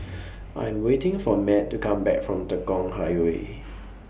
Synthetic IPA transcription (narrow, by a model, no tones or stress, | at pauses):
ʔã̰j̃mwetɪ̃ŋfɔmɛtːukʰãmbɛ̰kfɹɔ̃mtəkɔ̃ŋɦaɪwḛ